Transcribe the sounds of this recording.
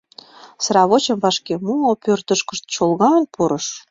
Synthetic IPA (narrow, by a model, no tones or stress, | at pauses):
srɑβot͡ɕəmvɑʃkemuopørt̪əʃkəʃt̪t͡ɕolɣɑnpuɾəʃ